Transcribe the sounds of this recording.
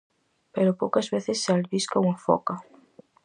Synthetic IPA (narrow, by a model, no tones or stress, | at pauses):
peɾopowkɐzβeθɪsːalβiskouŋafɔ̰kɐ